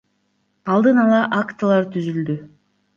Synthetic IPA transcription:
ɑlˠd̪ɯnɑlˠɑʔakt̪ɨlˠɑɾt̪ʰyzyld̪y

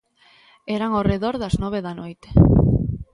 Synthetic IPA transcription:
eɾaŋoreðoɾðaznoβ̞eðanojt̪e̥

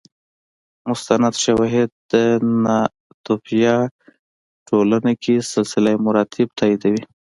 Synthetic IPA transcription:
mʊst̪anad̪ʃawɑɦɪd̪̚əna | t̪ʊfjɑ | ʈʰolanakʰisɪlsɪlamʊɾɑt̪ʰɪb̚t̪ʰɑid̪awi

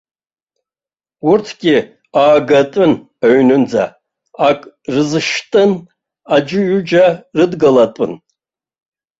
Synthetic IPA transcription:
urtʰɡʲɪ | aːɡatʼɨn | aɥnɨnd͡za̰ | akʼ | rɨzɨʃtʼɨn | ad͡ʒɪɥʊd͡ʒarɨdɡalatʼɨ̰n

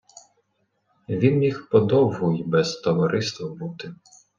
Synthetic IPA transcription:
ʋʲinmʲixpɔd̪ɔwɦʊjbɛz̥t̪ɔʋɔɾɪst̪ʋɐbut̪ɪ

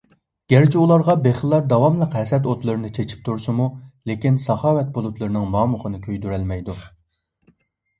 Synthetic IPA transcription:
ɡ̥ʲæɾt͡ʃʰiulˠɑɾʁɑbeχəlˠːɑɾd̪ɑwɑmlˠəqɦɛsɛt̪ot̪lˠɨɾɨnɨt͡ʃʰet͡ʃʰi̥p̚t̪ʰuɾsɨmulekʲinsɑχɑːwɛt̪̚bolˠut̪ʰlˠɨɾɨnɨŋmɑːmʊχənɨkʲʰøjd̪yɾælmɛjd̪u

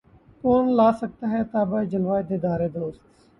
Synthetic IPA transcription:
koːnlaːsək̚t̪aːɦɛːt̪aːbaːd͡ʒəlʋaːed̪eːd̪aːɾeːd̪oːst̪

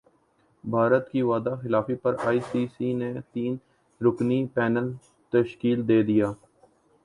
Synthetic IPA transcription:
bʱaːɾət̪kiʋaːd̪axɪlaːfipɐɾaːiːsiːsinet̪iːn | ɾʊknipɛːnəl | t̪əʃkiːld̪eːd̪ɪjaː

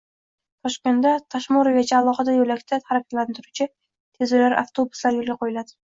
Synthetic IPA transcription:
t̪ʰɒʃkʲe̞nd̪at̪ʰaʃmoɾɪvʲat͡ʃʰaːlˠɒχɨd̪ajolakʲt̪ʰat̪ʰaɾakʲʰḁt̪lant̪ʰɪɾʊt͡ʃʰɪ | t̪ʰezɪlaɾa̰ft̪ʰobʊ̥slaɾjolˠɡʲaqʰojɪlad̪ɪ̥

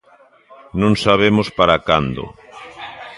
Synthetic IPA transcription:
nõŋsaβemospaɾakand̪ʊ̰

